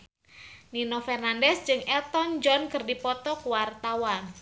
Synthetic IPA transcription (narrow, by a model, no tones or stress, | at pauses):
ninofɛrnandɛsd͡ʒɨŋɛlt̪ɔnd͡ʒɔnkɨrdipɔt̪ɔkuwart̪awan